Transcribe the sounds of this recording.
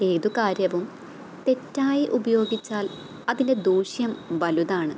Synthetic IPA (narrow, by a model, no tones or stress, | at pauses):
e̞ːðukaːɾjɐʋum | t̪e̞tːaːjiʔubɐjo̞ːɡit͡ɕːaːl | ɐðinde̞d̪uːɕjɐmʋɐluðaːɳɨ